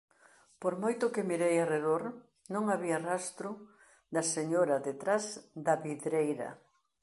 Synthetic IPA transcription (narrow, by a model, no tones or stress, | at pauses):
poɾmojt̪ʊkɪmiɾejareðoɾ | nõŋaβiɐrast̪ɾʊ | d̪ɐseɲoɾɐðet̪ɾazd̪ɐβiðɾejɾɐ̰